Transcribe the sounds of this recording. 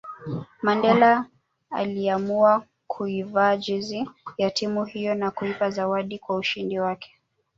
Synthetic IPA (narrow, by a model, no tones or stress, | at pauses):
mandɛla | a̰liamua | kʰuivaːd͡ʒizijatimuhijɔnakuipazawaɗikwauʃindiwakɛ̥